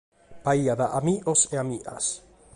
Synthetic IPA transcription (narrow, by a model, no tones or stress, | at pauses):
paiaðaʔamiʔoseamiʔa̰s